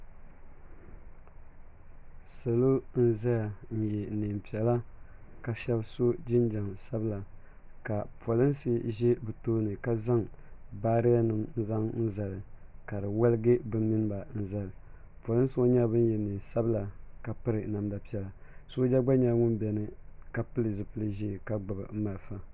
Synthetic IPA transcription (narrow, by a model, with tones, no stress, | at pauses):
sa˨lo˦n̩˦za˦ja˨n̩˦jɛ˨ni˨m˨pi˨ɛ˨la˦ | ka˨ʃɛ˦bso˦d͡ʒɪ˦nd͡ʒa˨msa˦bla˨ | ka˨po˨lɨ˦nsi˦ʒɛ˦bɨ˨toː˦nɨ˨ka˦za˦ŋ | baː˦ɾɪ˦ja˦nɨ˨mn̩˦za˦ŋn̩˦za˨lɨ˨ka˨dɨ˨wa˦lɨ˦ɡɨ˦bɨ˦mi˦n˦ba˨n̩˦za˦lɨ˨ | pa˨lɨ˦n˦sɨ˦o˦ɲa˦bɨ˦n˦jɛ˨niː˨nsa˦bɨ˦la˨ka˨pɨ˦ɾɨ˨na˨mda˨pi˦ɛ˨la˨so˦d͡ʒa˦ɡ͡ba˦ɲa˨˦ŋʊ˦nbɛ˨nɨ˨ka˦pɨ˦lɨ˨zɨ˨pɨ˦lɨ˦ʒi˦˨ka˦ɡ͡ba˨bɨ̰˨m̩˦ma˨lfa˦